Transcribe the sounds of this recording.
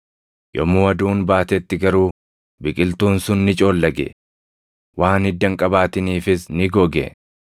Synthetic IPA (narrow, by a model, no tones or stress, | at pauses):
jɔ̰muːɐd̪uːnbaːt̪ɛt̪ːɪɡɐɾuː | bɪkʼɪlt̪uːnsʊnːɪt͡ʃʼo̞ːlːɐɡɛ̰ | wʔaːnɪd̪ːɐŋkʼɐbaːt̪ɪniːfɪsnɪɡɔɡɛ̰